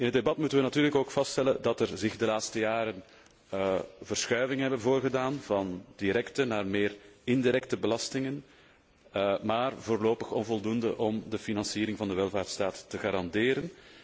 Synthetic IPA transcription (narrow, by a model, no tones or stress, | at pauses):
ɪnɦət̚debɑtmutənʋənɑtyːrləkoːkfɑsttɛləndɑtɛrzɪɣdəlaːtstəjaːɾən | vərsxœːɥvɪŋəɦɛbənvoːrɣədaːnvɑnd̥iɾɛktənaːrmeːrɪndiɾɛk̚təbəlɑstɪŋən | maːrvoːrloːpəxɔnvɔlˠdundə̰ʔɔmdəfinɑnsiːɾɪŋvɑndəʋɛlˠvaːrtstaːtːəɣaːɾɑndɪːɾən